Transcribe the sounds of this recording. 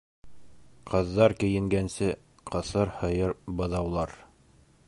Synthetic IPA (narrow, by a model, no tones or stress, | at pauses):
qʰɤ̆ðːɑɾkɘ̆jɘ̆ŋɡænsɘ | qʰɤ̆sɤɾhɤ̆jɤɾbɤ̆ðɑwlˠɑɾ